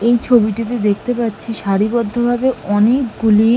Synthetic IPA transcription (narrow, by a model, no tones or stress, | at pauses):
ejt͡ɕʰobiʈit̪̬ed̪ek̚ʰt̪epatːɕʰiʃaɾibɔd̪ʱːobʱabeɔnekɡuli